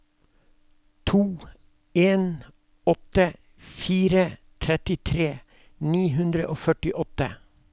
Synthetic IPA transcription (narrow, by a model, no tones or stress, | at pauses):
t̪ʰuː | eːn | ɔt̪ə | fiːɾə | t̪ʰɾɛt̪ɪt̪ʰɾeː | niːɦʉnd̪ɾə̰ʔoːfœʈɪʔɔt̪ə̰